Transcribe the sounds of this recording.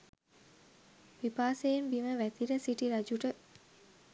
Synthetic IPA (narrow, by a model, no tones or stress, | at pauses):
ʋipaːsejenbiməʋæt̪iləsiʈiɾad͡ʒuʈə